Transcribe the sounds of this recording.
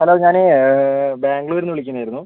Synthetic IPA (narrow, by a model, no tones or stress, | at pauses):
hɐloːɲaːne | baːŋɡɭuoɾunːɨʋiɭikʲːunːaːjiɾunːu